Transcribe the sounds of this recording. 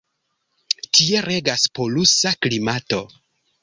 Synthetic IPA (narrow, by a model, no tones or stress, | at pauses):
tie̞ɾe̞ɡaspo̞lusaklimato̞